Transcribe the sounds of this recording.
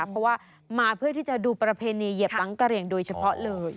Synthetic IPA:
pʰːɔ˦˥waː˥˩ | maː˧pʰɯ˥˩ət̪ʰiː˥˩t͡ɕa˨˩duː˧pɾa˧pʰeː˧niː˧je˨˩a˦˥ŋka˧ɾi˧˩əŋdoː˧jt͡ɕʰa˧pʰɔ˦˥lɤː˧j

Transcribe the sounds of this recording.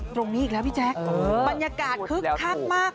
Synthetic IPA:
t̪ɾo˧ŋniː˦˥iː˨˩klɛː˦˥wpʰi˥˩t͡ɕʰɛː˦˥kʔba˧njaː˧kaː˨˩t̪̚kʰɯ˦˥kk̪ʰa˦˥k̚maː˥˩k̚

